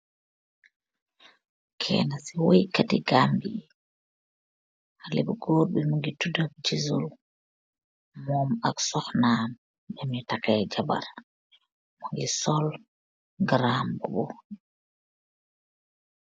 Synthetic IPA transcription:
kʰɛ̰ːnasiwojkatiɡambi | halḛbɡoːɾɓɛmuŋɡitudakd͡ʒizul | mɔmaksɔxnan | bɛmitakajd͡ʒaba̰ɾ | muŋɡisɔl | ɡɾaːmbɔɓɔ

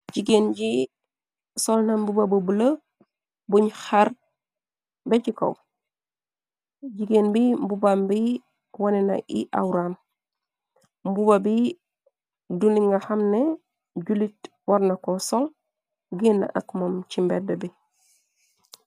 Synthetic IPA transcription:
ɟiɡenɟi | sɔlnambubabəbulə | buɲxaɾ | beɟiko̰w | ɟiɡenbimbubambi | wanɛnɐ̰ʔḭʔa̰wɾan | mbubabi | duniŋɡaxamne | ɟulit | waɾnakɔsɔl | ɡinːa̰ʔakmomcimbɛdɐbi

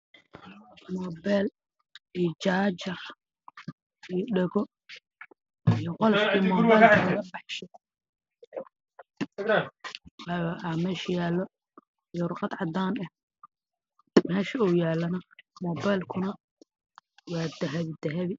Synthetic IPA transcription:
mɔːbɛl | ijt͡ʃaːt͡ʃɐr | ijɖɛɣɔ | ijɔqɔlɐʃʰiːmɔːbajlkʰɐnɐɣɐbɑħʃɛ | amɛʃjaːlːɔ | jɔɾʊqɑd̪ʕɑd̪aːnɐh | mɛːʃɐuːjaːlːɐnɐmɔːbajlkʰʊnɐ | wɑːd̪ɐɦɐβɪd̪ɐɦɐβɪ

